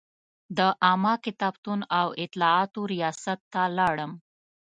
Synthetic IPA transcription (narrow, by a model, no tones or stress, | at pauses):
d̪əʔɑmɑkɪt̪ɑb̚t̪unawɪt̪lɑɑt̪oɾijɑsat̪ːalɑɽəm